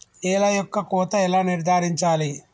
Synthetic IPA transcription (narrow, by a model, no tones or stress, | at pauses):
ɛːlɐjɔkːɐkɔːt̪ɐɛlaːniɾd̪ʱaːɾiɲt͡ʃaːli